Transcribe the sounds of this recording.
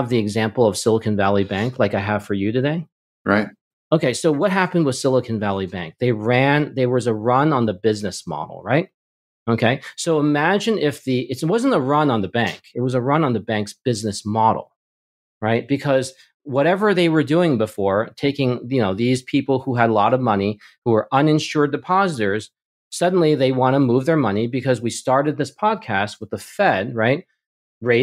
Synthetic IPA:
vðiɨɡzæ̃mpl̩ˠʌv̥sɪlˠəkɨ̃nvælˠibæ̃ŋklaɪkaɪəv̥fə˞jɨɾɨdeɪ | ɹaɪt̚ | oʊkʰeɪsoʊwʌt̚ɦæpɨ̃n̩d̚wʌð̥sɪlˠəkʰɨ̃n̩vælˠibæ̰̃ŋk̚ðeɪɹæ̃nðeɪwʌzəɹʌ̃nə̃nðɨbɪznɨsmɑ̰ɾl̩ˠɹaɪt̚ | oʊkʰeɪsoʊəmæd͡ʒɨ̃nɪfðiʔɨtswʌz̃n̩təɹʌ̃nə̃nðɨbæ̰̃ŋkɨt̚wʌzəɹʌ̃nə̃nðɨbæ̃ŋksb̥ɪznɨsmɑɾl̩ˠ | ɹaɪt̚b̥ɨkʰʌz | wʌɾɛvə˞ðeɪwə˞dʉɪ̃ŋbəfɔɹtʰeɪkɪ̃ŋjɨnoʊðiz̥pʰipl̩ˠhuɨdˡlɔɾʌvmʌni | huwə˞ʔʌ̃nɨ̃nʃʊɹdɨpʰɑzɨɾə˞z̥ | sʌdⁿn̩liðeɪwɑ̃ñɨmuvðə˞mʌnibɨkʰʌzwistɑɹɾɨd̪̚ðɪspʰɑd̚kʰæst̚wəðəfɛd̚ɹaɪt̚ | ɹeɪ

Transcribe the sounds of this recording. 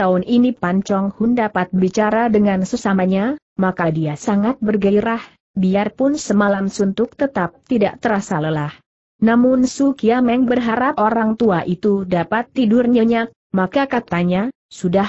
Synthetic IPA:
t̪aʊnʔinipaɲt͡ʃɔŋhʊndapat̪̚bit͡ʃaɾadəŋansəsamaɲa | makadiasaŋat̪̚bərɡaɾah | biarpʊnsəmalamsunt̪ʊk̚t̪ət̪ap̚t̪ida̰ʔt̪əɾasaləlah | namʊnsukiamɛŋbərɦaɾapoɾaŋt̪uaʔit̪udapat̪ːidʊrɲəɲak̚ | makakat̪aɲa | sudah

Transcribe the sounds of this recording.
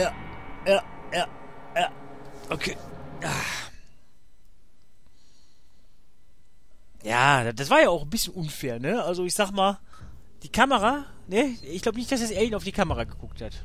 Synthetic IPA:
jaːjaːjaː | jaː | ʔokʰeːjaː | ja̰ːdad̥as̬v̥aːɐjaːaʊxn̩bɪsçənʔʊnfɛːɐnəʔalzoɪçz̥aːχəmaːl | d̥iːkʰaməʁa | nəɪçɡ̥laʊbənɪçtd̥as̬eɐsʔeːɐiːnaʊfd̥iːkʰaməʁaɡəɡʊk̚that

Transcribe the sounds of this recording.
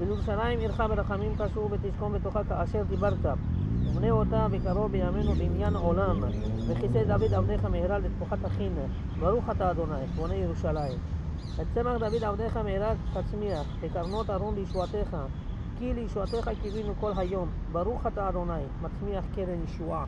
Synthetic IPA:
bejeɾuʃalajimiɾχabeɾaχamimkaʃuɾvet̪iʃko̞mbet̪oχakaːʃe̞ɾd̪ibaɾt̪a | umneot̪abekaɾobejamenubimjanʕolam | meχised̪avid̪avd̪eχamehɾalbet̪fuχat̪haχin | baɾuχat̪aːd̪o̞najbonejeɾuʃalaim | et̪t͡semaχd̪avid̪avd̪eχamehɾalhat͡smiaχbekaɾno̞t̪haɾonbejiʃuat̪eχa | kilejiʃuat̪eχakivinuko̞lɦajo̞m | baɾuχat̪aːd̪o̞najmat͡smiaχkeɾenjiʃua

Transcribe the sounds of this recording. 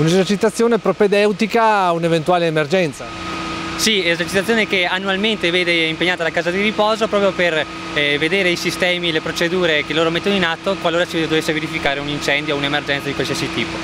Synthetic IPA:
unezert͡ʃit̪at̪sːjoːnepɾoped̪ɛwt̪ikaunevent̪uaːleːmerd͡ʒɛnt̪sa̰ | siezert͡ʃit̪at̪ːjoːnekeanːualment̪eveːd̪eimpeɲːaːt̪alakaːzad̪iripɔːzopɾɔːpɾjoper | ved̪eːɾeisist̪ɛːmilepɾot͡ʃed̪uːɾekelːoːɾomet̪ːonoinat̪ːokwalːoːɾat͡ʃid̪ovesːeveɾifikaːɾeunint͡ʃɛnd̪jounemerd͡ʒɛnt̪sad̪ikwalsisit̪iːpo

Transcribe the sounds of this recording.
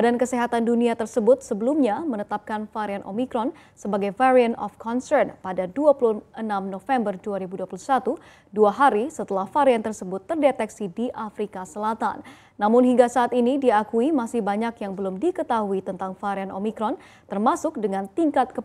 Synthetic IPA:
adankəsiɦat̪anduniat̪ərsəbʊt̪̚səbəlumɲamənət̪ap̚kanfaɾianʔo̰mikɾɔn | səbaɡajfaɾiənɔ̰fkʰɔnsərnpadaduapuluənamnofɛmbərduaɾibuduapulusat̪u | duaɦaɾisət̪əlahfaɾiant̪ərsəbʊt̪ːərdet̪ɛksidiʔafɾikasəlat̪a̰nː | amʊnɦiŋɡasaːt̪inidiakuimasɪhbaɲakjaŋbəlʊmdikət̪aɦuit̪ənt̪aŋfaɾianʔomikɾɔn | t̪ərmasʊk̚dəŋant̪iŋkat̪̚kə

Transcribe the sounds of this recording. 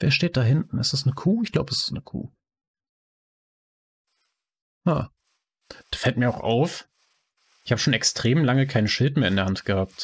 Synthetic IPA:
v̥eːɐʃteːt̚d̥aɦɪntn̩ɪstɛsnəkʰuːɪçɡ̥laʊbəɛsɪ̥snəkʰṵː | haː | d̥ḁːfɛltmiːɐaʊxʔa̰ʊf | ʔɪçhaːbə̥ʃoːnɛkstʁ̥eːmlaŋəkʰaɪnənʃɪltmeːɐɪndːɐhantɡ̥əhaːp̚t

